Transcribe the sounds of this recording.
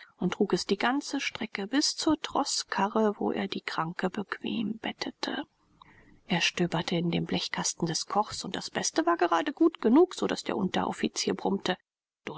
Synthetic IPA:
ʔʊntːʁ̥uːkɛsd̥iːɡant͡səʃtʁ̥ɛkəbɪst͡suːɐtʁ̥ɔskʰaʁəvo̰ːʔḛːɐdiːkʁ̥aŋkəbəkʰv̥ḛːmb̥ɛtʰətʰə̰ | ʔeːɐʃtøːbɐtʰəɪndeːmblɛçkʰastn̩dɛskʰɔχsʊnt̚d̥asb̥ɛstəvaːɐɡəʁaːdəɡuːtɡ̥ənuːkz̥oda̰sd̥eːɐʔʊntɐ̰ʔɔ̰fit͡siːɐbʁʊmtə | d̥ʊ

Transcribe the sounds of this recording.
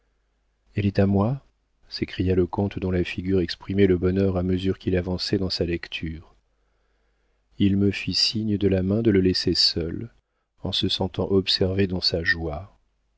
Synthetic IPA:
ɛlɛt̪amwa | sekχijaləkɔ̃t̪d̪ɔ̃lafiɡʲyʁɛkspχimɛləbɔnœʁaməzyʁkʲilavɑ̃sɛd̪ɑ̃salɛkt̪ʰyʁ | ilməfisiɲəd̪əlamɛ̃d̪ələlɛsesœl | ɑ̃səsɑ̃t̪ɑ̃ʔɔpsɛʁved̪ɑ̃saʒwa

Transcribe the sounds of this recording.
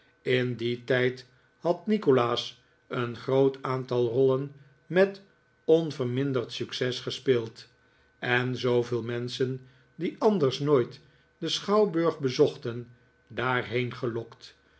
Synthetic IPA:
ɪnditɛjt | hɑtnikolaːs | ənχrowtaːntɑlˠrɔlən | mɛt | ɔnvəɹmɪndərtsyksɛsχəspɪːlˠt | ɛnzowvɪːlˠmɛnsən | diɑndəɹsnoːjt | dəsχɑwbɵɹχbəzɔχtən | daːɹɦejnχəlɔkt

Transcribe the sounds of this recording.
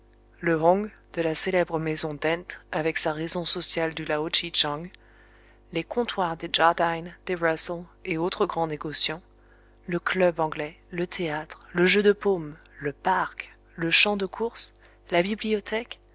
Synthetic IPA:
ləʁɔ̃ɡd̪̥əlaselɛbʁəmezɔ̃d̪ɛ̃t̪avɛksaʁezɔ̃sɔsjald̪ylaot͡ʃit͡ʃɑ̃ŋɡ | lekɔ̃t̪waʁd̪eʒaʁd̪and̪̥ebʁasɔ̃eot̪χəɡʁɑ̃neɡɔsjɑ̃ | ləklœbɑ̃ɡlɛ | lət̪ʰeat̪χləʒød̪əpom | ləpaʁk | ləʃɑ̃d̪əkʰuʁs | labibliɔt̪ʰɛk

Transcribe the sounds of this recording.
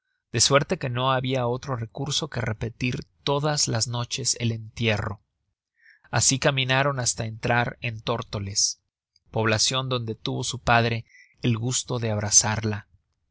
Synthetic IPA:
d̪̥e̞swe̞ɾt̪e̞ke̞no̞aβiao̞t̪ɾo̞re̞kuɾso̞ke̞re̞pe̞t̪iɾt̪o̞ðazlazno̞t͡ʃe̞se̞le̞nt̪je̞ro̞ | asikamĩnaɾo̞nast̪ae̞nt̪ɾaɾent̪o̞ɾt̪o̞le̞s | po̞βlasjo̞nd̪o̞nd̪e̞t̪uβo̞supaðɾe̞ː | lɣust̪o̞ðe̞aβ̞ɾasaɾla

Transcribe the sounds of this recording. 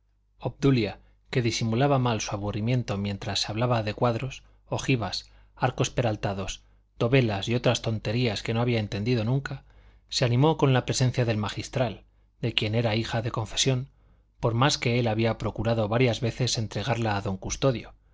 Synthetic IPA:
o̞b̚d̪ulja | ke̞ðisimulaβamalsuaβurimjẽ̞nt̪o̞mjẽ̞nt̪ɾasːeaβlaβaðe̞kwaðɾo̞s | o̞xiβas | aɾko̞spe̞ɾalt̪aðo̞s | d̪o̞βe̞lasio̞t̪ɾast̪o̞nt̪e̞ɾiaske̞no̞aβiaent̪e̞nd̪iðo̞nũŋka | seanĩmo̞ko̞nlapɾe̞se̞n̟θjaðe̞lmaχist̪ɾal | d̪e̞kje̞ne̞ɾaixaðe̞kõ̞ɱfe̞sjo̞n | po̞ɾmaske̞elaβiapɾo̞kuɾaðo̞βaɾjazβe̞θe̞se̞nt̪ɾe̞ɣaɾlaːðo̞ŋkust̪o̞ðjo̞

